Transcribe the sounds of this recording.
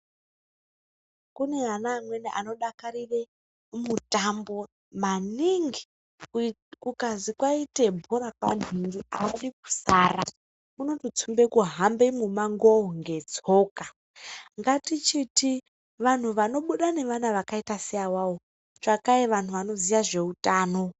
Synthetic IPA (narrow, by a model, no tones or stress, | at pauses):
kune̞anaːmwe̞neʔano̞ɗakaɾire | mutambo̞ | maniŋɡi̥ | kukazikwaite̞bʱuɾakwa̰n̤iŋɡiaaɗiku̥saːra | uno̞tot͡sʰumbekuɦambemumaŋɡoŋɡe̞d͡zo̞ːka | ŋɡatit͡ʃiti | ʋan̤uʋano̞ɓuɗane̞ʋanaʋakaitasijawao | t͡ʃakaeʋan̤uʋano̞zijaʐe̞utaːno̞